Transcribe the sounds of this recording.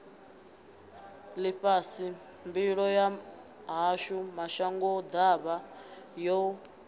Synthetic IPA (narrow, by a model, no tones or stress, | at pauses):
liɸasi | mbiɺɔja | ɦaʃumaʃaŋɡɔd̪aβajɔ